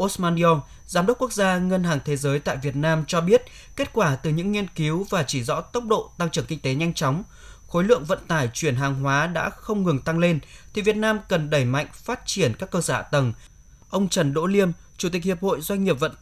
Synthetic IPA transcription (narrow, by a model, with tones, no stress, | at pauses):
ʔo˦˥sma˧ni˧ɔ˧n | zaː˨˦mɗə˦˥k͡p̚ku˦˥k̚zaː˧ŋə˧nhɦaː˨˩ŋt̪ʰe˨˦zəː˨˦jt̪a̰ː˧˨jvi˨˩ət̚naː˧mt͡ɕɔ˧ɓi˦˥ət̚ | ke˦˥t̚kwaː˧˩t̪ɨ˨˩ɲɨ̰˧˥ŋːi˧ənki˨˦wvaː˨˩t͡ɕi˧˩zɔ̰˧˥t̪ə˦˥wk͡p̚ɗo̰˧˨t̪a˧ŋt͡ɕɨ˧˩əŋkï˧ŋ̟t̪e˨˦ɲa˧jŋ̟t͡ɕɔ˨˦wŋ͡m | xo˨˦jlɨ̰˧˨əŋvə̰˧˨nt̪aː˧˩jt͡ɕwi˧˩ənɦaː˨˩ŋɦwaː˨˦ɗa̰ː˧˥xə˧wŋ͡mŋɨ˨˩ŋt̪a˧ŋle˧nt̪ʰi˨˩vi˨˩ət̚naː˧mkə˨˩nɗə˧˩jma̰˧˨jŋ̟faː˦˥t̚t͡ɕi˧˩ənkaː˦˥kːəː˧səː˧˩a̰ː˧˩t̪ə˨˩n | ʔə˧wŋ͡mt͡ɕə˨˩nɗo̰˧˥li˧əm | t͡ɕu˧˩t̪i˨˩k̚hi˨˩əp̚ho̰˧˨jzwa˧jŋ̟ːi˨˩əp̚və̰˧˨n